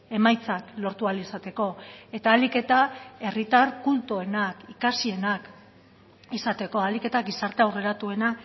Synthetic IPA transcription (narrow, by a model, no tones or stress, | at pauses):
e̞majt͡saklo̞ɾt̪ualisat̪e̞ko̞e̞t̪aːlike̞t̪ae̞rit̪arkult̪oe̞nakikasie̞nak | isat̪e̞ko̞alike̞t̪aɡisaɾt̪eawre̞ɾat̪ue̞na